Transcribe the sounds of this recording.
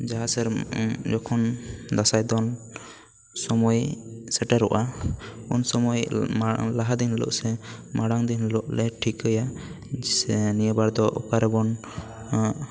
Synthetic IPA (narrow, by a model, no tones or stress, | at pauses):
d͡ʒaɦasɛɾd͡ʒɔkʰɔnd̪asajd̪ɔn | sɔmɔjsɛʈaɾɔʔaunsɔmɔj | laɦad̪inlɔ̰ʔsɛmaɽaŋd̪inlɔʔlɛʈʰikəja | sɛnijəbaɾd̪ɔʔɔ̰kaɾɛbɔn